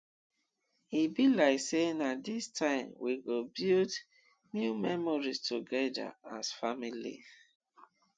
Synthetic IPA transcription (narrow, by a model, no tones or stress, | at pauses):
hibilaɪksenadistʰãɪ̃mwiɡobild | njumɛmɔɹistʰoɡɛda̰asfamilḭ